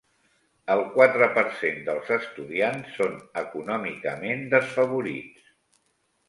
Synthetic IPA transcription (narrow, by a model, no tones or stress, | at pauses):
əlˠkwat̪ɾəpəɾsend̪əlˠzəst̪uðiansːonəkunɔmikəmend̪əsfəβuɾḭt͡s